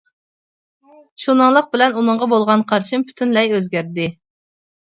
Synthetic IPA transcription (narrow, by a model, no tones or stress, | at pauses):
ʃunɨŋlˠəq̚bɪlɛnunɨɴʁɑbolˠʁɑnqʰɑɾʃimpʰy̥t̪ʰynlɛjøzɡʲæɾd̪ɪ